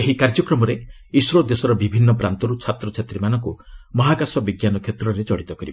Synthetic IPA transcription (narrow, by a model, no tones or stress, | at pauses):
eɦikaɾd͡ʒɔkɾɔmɔɾe | isɾɔd̪esɔɾɔbibʱinːɔpɾant̪ɔɾut͡ʃʰat̪ɾɔt͡ʃʰet̪ɾimanɔŋkumɔɦaɡasɔbiɡjanɔkʰet̪ɾɔɾed͡ʒɔɽit̪ɔkɔɾib